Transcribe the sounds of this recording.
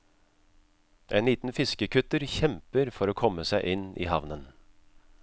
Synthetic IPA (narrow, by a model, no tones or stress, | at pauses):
ʔeːnliːt̪n̩fɪskəkʰʉt̪əɾçɛmpəɾfɔɾoːkʰɔmːəsæɪʔɪnḭːhɑʋnən